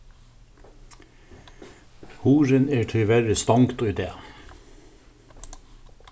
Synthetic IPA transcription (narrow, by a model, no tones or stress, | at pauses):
huːɾəneːʈʰɪlʋæɾəst̪ɑŋkt̪oːiːd̪ḛː